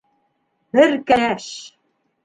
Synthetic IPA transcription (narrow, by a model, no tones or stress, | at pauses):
bɘɾkænæʃ